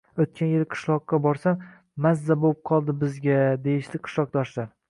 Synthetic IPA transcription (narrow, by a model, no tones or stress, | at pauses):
ɵt̪̚kʲanjelqʰɨ̥ʃlˠɒqːɑbɒɾsamː | azːabop̚qʰɒlˠd̪ɪbɪzɡʲad̪e̞jɪʃd̪ɪqʰɨ̥ʃlˠɒq̚d̪ɒʃlaɾ